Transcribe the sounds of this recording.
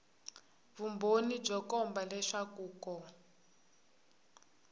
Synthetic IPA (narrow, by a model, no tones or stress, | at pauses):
βumbʱonid͡ʒɔkɔmbalɛʂakuːkɔ